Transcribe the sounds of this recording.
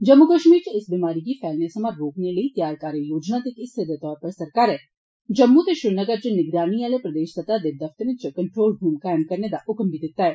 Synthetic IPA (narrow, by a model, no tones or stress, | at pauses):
d͡ʒɐmːukəʃmiːɾt͡ʃəɪsbimaːɾiɡipʰɛːlnesəmãɾoːkneləit̪jaːɾkaːɾijoːd͡ʒnat̪ekɪst̪ʰeɾd̪et̪ɔːɾpɐɾsɐɾkaːɾɛː | d͡ʒɐmːut̪eʃʊɾnəɡəɾt͡ʃənɪɡɾaːniaːlepɾɐd̪eːʃt̪ət̪ad̪ed̪ɐft̪əɾẽt͡ʃkəɳʈɾoːlbʱuːmkaːɪmkɐɾned̪aʔʊkmbʱid̪ɪt̪ːaɛː